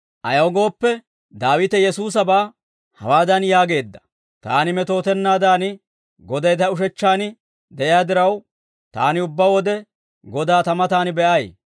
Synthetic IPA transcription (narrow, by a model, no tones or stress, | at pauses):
ʔɐjɐwɡo̞ːpːɛ | d̪aːwɪt̪ɛjɛsuːs̬ɐbaː | hɐ̰waːd̪ɐnjaːɡe̞ːd̪ːɐ̥ | t̪a̰ːnɪmɛt̪o̞ːt̪ɛnːaːd̪aːnɪ | ɡɔd̪ɐjt̪ɐʊʃ̬ɛt͡ʃːaːnɪ | d̪ɛʔjjaːd̪ɪɾɐw | t̪a̰ːnɪʊbːɐwɔd̪ɛ | ɡɔd̪aːt̪ɐmɐt̪aːnɪbɛʔɐj